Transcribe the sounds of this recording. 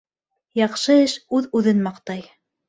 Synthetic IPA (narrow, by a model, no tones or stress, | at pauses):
jɑχʃɤɘʃʉðʉðɘnmɑqt̪ɑj